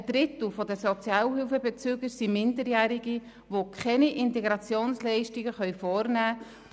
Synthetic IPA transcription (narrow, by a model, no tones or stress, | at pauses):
əd̥ɾɪt̪l̩fɔdəsɔt͡sjɑːlɦylfəbet͡syːɡəɾsimɪndəɾjæːɾɪɡi | ʋokʰχɛniʔɪnteɡɾɑt͡sjoːnslɛɪʃtɪɡəχœʏfɔːɾnæː